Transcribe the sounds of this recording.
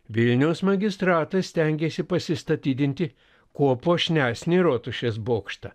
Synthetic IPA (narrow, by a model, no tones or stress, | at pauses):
ʋʲɪlʲnʲɛʊsmɐɡʲɪst̪ɾɑːt̪ɐssʲt̪ʲɛŋʲɡʲeːsʲɪpɐsʲɪst̪ɐt̪ʲiːd̪ʲɪnʲt̪ʲɪ | koːpoːʃʲnʲæːsʲnʲeɾoːt̪ʊʃʲesboːkʃt̪ɐ̰